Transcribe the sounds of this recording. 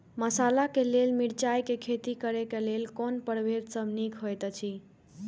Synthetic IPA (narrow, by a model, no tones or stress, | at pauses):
məsalakelelmiɽt͡ʃajkekʰet̪ikəɾekelelkonpəɽbʱed̪səbʱnikʰɦojt̪t͡ʃʰi